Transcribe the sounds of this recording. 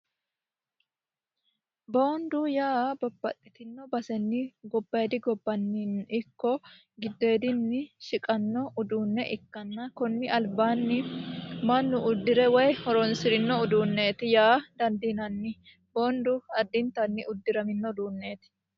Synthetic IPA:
bo̞ːnd̪ʊjaːbɐbːɐt̪ʼːɪt̪ɪnːɔbɐsɛnːɪɡɔbːɐjd̪ɪɡɔbːɐnːinʔɪkːɔ | ɡɪd̪ːe̞ːd̪ɪnːɪʃɪkʼɐnːɔʔʊd̪uːnːɛʔɪkːɐnːɐkɔnːɪʔɐlbaːnːɪmɐnːʊʊd̪ːɪɾɛwɛjhɔɾɔnsɪɾɪnːɔʊd̪uːnːe̞ːt̪ɪjaːd̪ɐnd̪inɐnːɪ | bo̞ːnd̪ʊɐd̪ːɪnt̪ɐnːɪʊd̪ːɪɾɐmɪnːɔd̪uːnːe̞ːt̪ɪ̥

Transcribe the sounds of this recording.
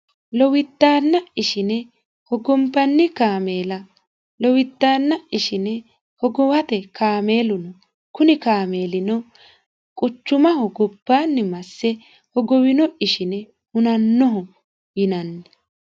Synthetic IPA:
lɔwɪt̪ːaːnːɐɪʃɪnɛ | hɔɡɔmbɐnːɪkaːme̞ːlɐ | lɔwɪt̪ːaːnːɐɪʃɪnɛ | hɔɡɔwɐt̪ɛkaːme̞ːlʊnɔ | kʊnɪkaːme̞ːlɪnɔ | kʼʊt͡ʃːʊmɐhɔɡɔbːaːnːɪmɐsːɛ | hɔɡɔwɪnɔʔɪʃɪnɛ | hʊnɐnːɔɦɔ | jɪnɐnːɛ

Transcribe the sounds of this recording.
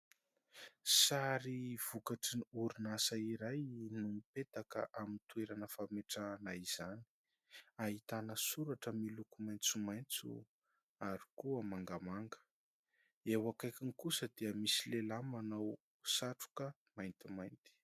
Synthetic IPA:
saɾiv̥ukaʈ͡ʂiniuɾunasaiɾajnumipet̪akə̰ʔamint̪ueɾanəfameʈ͡ʂanaiz̥ani̥ | aɦit̪anəsuɾaʈ͡ʂəmilukumajnt͡sumajnt͡sṵ | aɾikuəmaŋɡamaŋɡə̥ | ewakajkʲinikusəd̪iəmisilelamanaw | saʈ͡ʂu̥kə | majnt̪imajnt̪i̥

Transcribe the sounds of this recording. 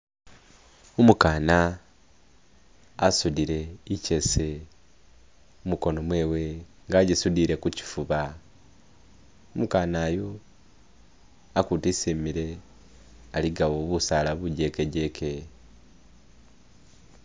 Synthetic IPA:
omukaːna | asudiɾe̞ice̞se | umuko̞no̞mwe̞ːwe̞ | ŋɡaɟisudiːɾe̞kuci̥fuβa | omukaːnaːjo | akutisimiɾe̞ | aliɡawoβusaːlaβuɟe̞ke̞ɟe̞kʰe̞

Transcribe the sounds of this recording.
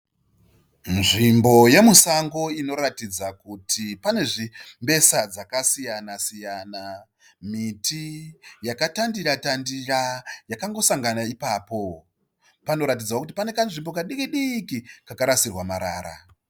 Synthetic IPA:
nʐimbo̞je̞musaŋɡo̞ino̞ratid͡zakutʰipane̞ʐimbe̞sad͡zakasijanasijana | mitʰijakatandiratandirajakaŋɡo̞saŋɡanaipaːpo̞ | pano̞ɾat̬id͡zawokutipane̞kanʐimbo̞kaɗikiɗikikakaɾasirwamaɾa̰ːɾa̰

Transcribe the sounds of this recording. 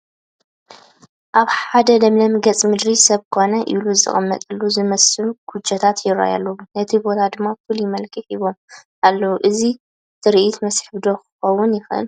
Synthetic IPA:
ʔaβħad̪ɐd̪ɐmlɐmɨɡɐt͡sʼmɨd̪ɾisɐβkʰo̞nɐʔiluzɨ̰χʼɨmːɐ̰t̪ʼɐlːuzɨmɐsɨluɡ̥ut͡ʃːɐt̪ʰat̪jɪɾa̰ja̰lːɐwunɐt̪ʰibo̞t̪ʰad̪ɨmːafɨljɪmɐlkʰʼɨħiβo̞mʔalːɐwuʔɨzi | t̪ʰɨɾiʔit̪mɐsħbd̪o̞kʰɨ̥xɐwːʊnjɪxɨ̰l

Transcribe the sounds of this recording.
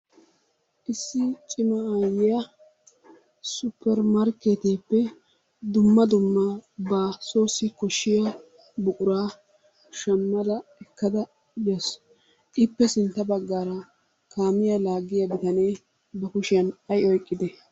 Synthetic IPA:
ʔɪsːɪt͡ʃʼɪmɐajɪjɐ | sʊpːɛɾmɐɾke̞ːt̪eːpːɛ | d̪ʊmːɐd̪ʊmːɐbaːso̞ːsɪkɔʃːɪjɐ | bʊkʼʊɾaː | ʃɐmːɐd̪ɐɛkːɐd̪ɐ | jɐs | ʔɪpːɛsɪnt̪ːɐbɐɡːaːɾɐ | kaːmɪjɐlaːɡːɪjɐbɪt̪ɐne̞ː | bɐkʊʃɪjɐnɐjɔjkʼːɪd̪ɛ

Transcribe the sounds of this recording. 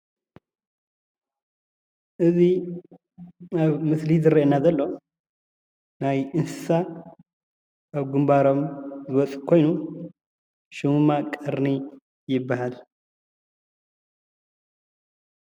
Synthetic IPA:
ʔɨzi | aβmɨslizɨɾeʔenazɐlːo̞ | najɨnsɨ̥sa | aβɡɨmbaɾo̞mzɨwɔt͡sʼkʰo̞jnu | ʃummakʼɐɾni | jɪbːahal

